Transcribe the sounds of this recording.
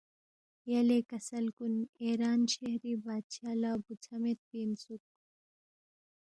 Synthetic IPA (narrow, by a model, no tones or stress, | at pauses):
jɐlekɐsɐlkuneːɾaːnʃeɦɾiːbaːd̪ʃaːlaːbut͡sʰɐmet̪̚piːnsuk̚